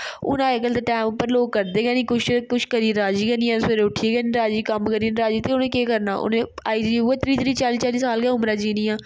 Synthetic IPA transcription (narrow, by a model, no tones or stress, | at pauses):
ʊ̰nãːekəld̪eːʈaːmʊpːəɾloːɡ̚kəɾd̪eːɡɛːnĩːkʊt͡ʃʰkʊʃʰkəɾiːɾaːd͡ʒiːɡɛniːãːnseɾeʊʈʰieːɡɛːnɾaːd͡ʒiːkəmkəɾiːnɾaːd͡ʒiːt̪eʊnẽːkeːkəɾna̰ːʔʊ̰nẽːa̰ːiːd͡ʒiːeːt̪ɾiːt̪ɾiːt͡ʃaːliːt͡ʃaːliːsaːlɡɛaːʊmɾaːd͡ʒiːnĩːãː